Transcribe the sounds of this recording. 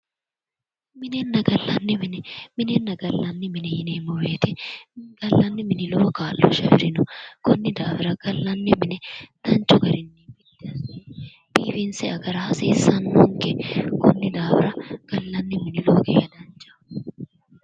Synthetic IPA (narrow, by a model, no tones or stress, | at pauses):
mɪnɛnːɐɡɐlːɐnːɪmɪnɛmɪnɛnːɐɡɐlːɐnːɪmɪnɛjɪneːmɔweːt̪ɪɡɐlːɐnːɪmɪnɪloːkaːlːɔ̰ʃɐ̰hɪ̰ɾɪnʊkɔnːɪd̪aːfɪɾɐɡ̥ɐlːɐnːɪmɪnɛd̪̥ɐnt͡ʃːʊɡɐɾɪnːimɪt̪ːɪɐsi | b̥iːfɪnsɛɐɡɐɾɐhɐsiːsɐnːʊŋkɛkɔnːɪd̪aːfɪɾɐɡ̥ɐlːɐnːɪmɪnɪloːɡɛ̰ːɐd̪ɐnt͡ʃːɐ̥